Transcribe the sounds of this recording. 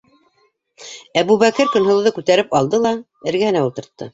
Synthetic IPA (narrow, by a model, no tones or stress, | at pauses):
æβʉβækɘɾkɵ̆nɦŏlˠðɤkʉt̪æɾɘpɑlˠd̪ɤlˠɑ | ɘ̆ɾɡæhɘ̆næulˠt̪ɤ̆ɾt̪ːɤ